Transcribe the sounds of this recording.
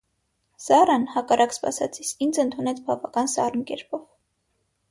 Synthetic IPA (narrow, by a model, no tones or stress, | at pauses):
sɑɾɑnhɑkɑrʔɑkspɑ̰sɑ̰t͡sʰisʰind͡zənt̪ʰunɛt͡sʰbɑvɑkɑnsɑ̰rnkɛ̰ɾpɔv